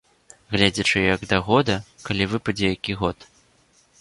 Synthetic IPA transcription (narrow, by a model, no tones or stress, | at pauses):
ɣlʲed͡zʲɐt͡ʂɨjɐɡd̪ɐɣɔd̪ɐkalʲivɨpɐd͡zʲɛjakʲiɣɔt̪